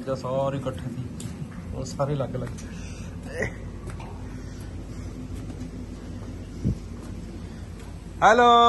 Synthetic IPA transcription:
d͡ʒasɔɾikəʈʰẽt̪ʰiː | o̰saːɾilaɡelaɡ | hɛlo

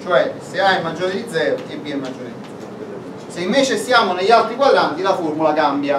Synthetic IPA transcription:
t͡ʃoɛseajmad͡ʒːoːɾed̪id̪zːɛːɾokebiemad͡ʒːoːɾed̪id̪zɛ | seiɱveːt͡ʃesjaːmoneʎːalt̪ɾiɡwalːant̪ilaformulakambja

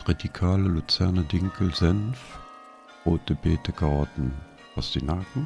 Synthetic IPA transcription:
ʁ̥edikʰaːləlut͡sɛɐnɐdɪŋkʰl̩zɛnf | ʁoːtəbeːtəɡ̥aɐdn̩ | asd̥inakŋ̩

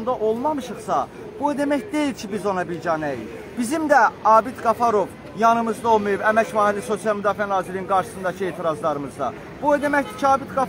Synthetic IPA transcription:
nd̪ɑʔo̞lˠmɑmɯʃɯχsɑ | b̥ud̪e̞mæçd̪e̞ilcʰibizo̞nɑbiɾd͡ʒɑnæjḭl | bizimd̪æɑːbid̪ɡɑfɑɾo̞v | jɑnɯmɯzd̪ɑo̞lˠmɯjubæmæcvɑːhiliso̞sijɑlˠmyd̪ɑːfiænɑːziɾininɡɑɾʃɯ̥sɯnd̪ɑcʰɯe̞ːt̪ʰiɾɑzlˠɑɾɯmɯzd̪ɑ̰ | b̥uɛd̪e̞mæçd̪icʰiɑːbid̪ɡɑ

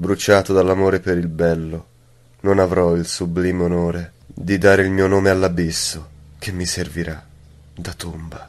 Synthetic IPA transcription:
bɾut͡ʃaːt̪od̪alːamoːɾepeɾilbɛlːo | nonavɾɔilsubliːmeonoːɾed̪id̪aːɾeilmiːonoːmealːabisːok̟ʰemːiserviɾa | d̪at̪umba

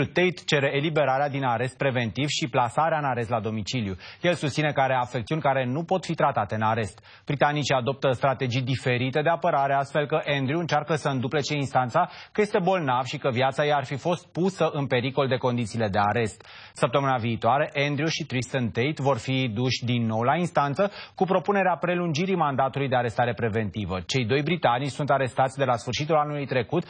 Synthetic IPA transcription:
ut̪ejt̪t͡ʃe̞ɾe̞ːlibe̞ɾaɾead̪inaɾe̞st̪̚pɾe̞ve̞nt̪ivʃiplasaɾeaɨnaɾe̞s̬t̪lad̪o̞mit͡ʃiljuje̞lsust̪sine̞kaɾe̞afekt̪siunʲkaɾe̞nupo̞t̪fit̪ɾat̪at̪e̞ɨnaɾe̞st̪ | b̥ɾit̪anit͡ʃiad̪o̞p̚t̪əst̪ɾat̪e̞d͡ʒijd̪ife̞ɾit̪e̞d̪e̞apəɾaɾe̞ast̪fe̞lkəʔe̞nd̪ɾiuɨnt͡ʃarkəsəɨnd̪uplet͡ʃeinst̪ant̪sakəje̞st̪e̞bo̞lnavʃikəviat̪sajejarfifo̞st̪̚pusəʔɨnpe̞ɾiko̞ld̪e̞ko̞nd̪it̪siːle̞d̪e̞aɾe̞st̪ | səp̚t̪əmɨnaviːt̪oaɾeʔend̪ɾiuʃit̪ɾist̪ənt̪ejt̪vo̞rfid̪uʃʲd̪inːo̞wlainst̪ant̪səkupɾo̞pune̞ɾeapɾe̞lund͡ʒiɾimand̪at̪ulujd̪e̞aɾe̞st̪aɾe̞pɾe̞ve̞nt̪ivət͡ʃe̞jd̪o̞jbɾit̪anit͡ʃsunt̪aɾe̞st̪at̪sʲd̪e̞lasfɨrʃit̪ulanulujt̪ɾe̞kut̪

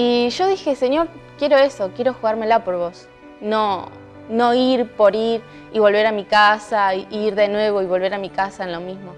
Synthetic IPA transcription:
iʒo̞ðixe̞senjo̞ɾkje̞ɾo̞e̞sokje̞ɾo̞xuɣaɾmelapo̞ɾβo̞s | no̞ | no̞iɾpo̞ɾiɾ | iβo̞lβe̞ɾamikasaiiɾðe̞nwe̞βo̞iβo̞lβe̞ɾamikasaenlo̞mizmo

